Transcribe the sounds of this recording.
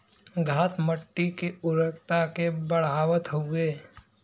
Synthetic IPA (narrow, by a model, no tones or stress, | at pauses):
ɡʱaːt̪məʈːikeʊɾək̚t̪akebəɽ̤aːwət̪ɦoɡeː